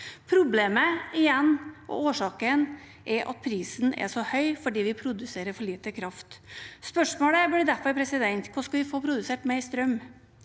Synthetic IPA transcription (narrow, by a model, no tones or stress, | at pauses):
pʰɾʊbleːməɪjɛnːʔɔ̰oːʂɑːkən | ʔɛʔɑ̰t̪̚pʰɾiːsnɛ̰ʂɔhœʏfɔɖiːʋɪpʰɾʊd̪ʉseːɾəɾfɔɭiːt̪əkʰɾɑft̪spœʂmoːɽəblɪd̪æfɔɾpʰɾɛsɪd̪ɛnt̪kʰɑːskɑʋɪfoːpʰɾʊd̪ʉseːʈmɛst̪ɾœm